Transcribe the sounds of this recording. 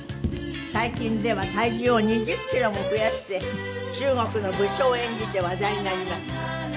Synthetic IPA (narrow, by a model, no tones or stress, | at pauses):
saikʲĩnd̪e̞βat̪aiʑioɲ̟id͡ʑɨkʲːiɾo̞moɸɯ̟jaɕi̥t̪e̞ | t͡ɕɨːŋo̞kɯ̟no̞bɯ̟ɕo̞ːẽ̞ɲ̟d͡ʑid̪e̞βad̪aiɲinaɾʲimasɨ̥